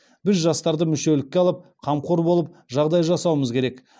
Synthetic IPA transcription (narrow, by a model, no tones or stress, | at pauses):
bɪzʒɑst̪ɑɾd̪əmʏʃe̞lɪk̚ʲːeɑlˠəp̚qʰɑmqoɾbo̞lˠəp̚ʒɑʁd̪ɑjʒɑsɑwəməzkʲʰe̞ɾe̞k